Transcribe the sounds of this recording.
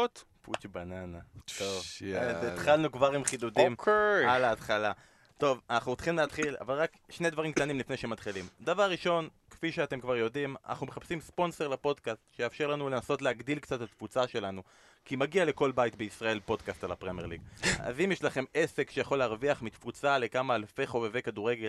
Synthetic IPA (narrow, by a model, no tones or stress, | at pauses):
t̪put͡ʃbananaovzet̪χalnukvaʁimχid̪ud̪imalaːt̪χala | t̪o̞vanaχnut͡sχimleat̪χila̰valʁak | ʃned̪vaʁimkt̪animlifne̞jʃemat̪χilimd̪avaʁːiʃo̞nkfiʃeat̪e̞mkvaʁjo̞d̪ima̰na̰χnumeχapsimspo̞nse̞ʁlapo̞d̪kast̪ʃejaːfʃe̞ʁlanulenaso̞tleaɡd̪ilkt͡sat̪at̪fut͡saʃe̞lanu | kimaɡiale̞ko̞lbajit̪beisʁae̞lpo̞d̪kast̪alapʁemeʁliɡ̚ʔa̰zimjeʃlaχe̞me̞se̞kʃejaχo̞leaʁviaχmit̪fut͡sale̞kamaːlfe̞χo̞veve̞jkaduʁeɡel